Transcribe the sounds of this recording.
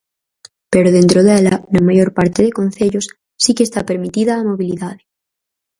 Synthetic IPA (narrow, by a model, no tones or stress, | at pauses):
peɾoðent̪ɾoðelanamaʝoɾpaɾt̪eðekon̟θeʎosː | ikest̪apeɾmit̪iðaːmoβ̞iliðaðe